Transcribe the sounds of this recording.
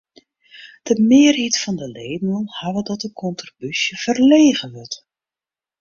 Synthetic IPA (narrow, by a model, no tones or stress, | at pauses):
d̥əmɪːrɦitfɔndəleːmunˠhaʋədɔtəkʰɔntrobysjəv̥ərleːɣəʋørt